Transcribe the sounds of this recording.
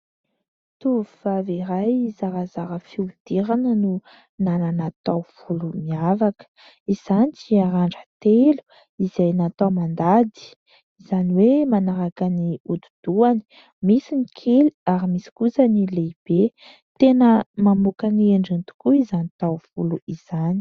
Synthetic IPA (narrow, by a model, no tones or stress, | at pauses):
t̪uvufaveɾajizaɾazaɾəfiud̪̥eɾanənu | nananat̪awfulumiavakə̥ | iz̥anit͡siaɾaɳɖ͡ʐət̪elu̥ | izajnat̪awmand̪ad̪i̥ | izaniwemanaɾakaniud̪ud̪̥uani̥ | misinikʰeliaɾimisi̥kusanileb̥e | t̪enəmamukanieɳɖ͡ʐint̪u̥kuizanit̪awfuluiz̥ani